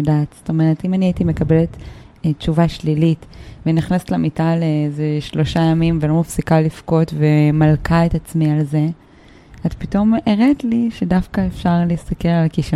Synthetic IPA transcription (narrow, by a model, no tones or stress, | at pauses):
daːt̪z̥o̥to̞me̞ʁetimaniaitime̞kabelet | tːt͡ʃuvaʃlilitveniχnaset̪lamitalezeʃlo̞ʃajamimvelo̞mafsikalifko̞tvemalkʰaetat͡smialze̞ | azpito̞meʁetliʃedafkaefʃaʁlist̪akeʁalkiʃ